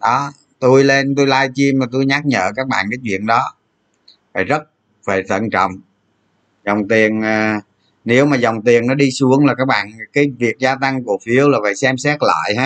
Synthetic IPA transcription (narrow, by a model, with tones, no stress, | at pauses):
ɗɔ˨˦ | t̪u˧jle˧nt̪u˧jlaː˧jt͡ɕi˧mmaː˨˩t̪u˧jɲa˦˥k̚ɲə̰ː˧˨kaː˦˥k̚ɓa̰ː˧˨nkaː˨˦jt͡ɕwḭ˧˨ənɗɔ˨˦ | va̰ː˨˩jzə˦˥t̚ | ve˨˩t̪ʰə̰˧˨nt͡ɕɔ̰˧˨wŋ͡m | zɔ˨˩wŋ͡mt̪i˨˩ənː˨˩ | ne˨˦wmaː˨˩zɔ˨˩wŋ͡mt̪i˨˩əŋnɔ˨˦ɗi˧su˨˦əŋlaː˨˩kaː˦˥k̚ɓa̰ː˧˨nkaː˨˦jvi˨˩ək̚zaː˧t̪a˧ŋku˧˩əfi˨˦əwlaː˨˩və̰˧˨jsɛ˧msɛ˦˥t̚lə̰ː˧˨jhaː˨˦